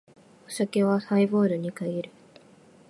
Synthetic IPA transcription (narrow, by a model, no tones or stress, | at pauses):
osake̞βasaibo̞ːɾɯ̟ɲ̟ikaiɾɯ̟